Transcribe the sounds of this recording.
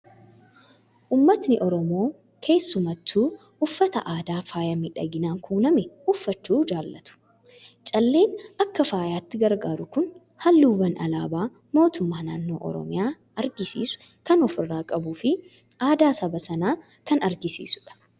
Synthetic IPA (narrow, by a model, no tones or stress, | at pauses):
ʔʊːmːɐt̪nɪʔɔɾɔmo̞ː | kʰe̞ːsːʊmɐt̪ːuː | ʊfːɐt̪ɐʔaːd̪aːfaːjaːmɪᶑɐ̰ɡɪnaːŋkʰuːnɐmɛhʊfːɐt͡ʃːuːd͡ʒaːlːɐt̪ʊ̥ | t͡ʃʼɐlːe̞ːnɐkːɐfaːjaːt̪ːɪɡɐɾɡaːɾʊkʊn | hɐlːuːwɐnʔɐ̰la̰ːbaː | mo̞ːt̪ʊmːaːnaːnːo̞ːʔɔ̰ɾɔ̰mɪjaː | ɐɾɡɪsḭːsʊ̥ | kɐnɔfɪrːaːkʼɐbuːfɪ | ʔaːd̪aːsɐbɐsɐnaː | kɐnɐɾɡɪsḭːsʊ̥ᶑɐ̥